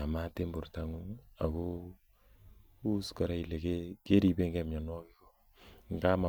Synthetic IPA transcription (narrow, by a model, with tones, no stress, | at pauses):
a˨ma˦te˦mbu˨ɾta˦ŋu˦a˨ko˦ | u˦ska˨ɾa˦i˨le˨ke˦ke˦ɾi˦be˦ŋɡɛ˦mɲa˨nwɔ˦ki˦ɡɔ˨ | ŋ˨ɡa˦ma˨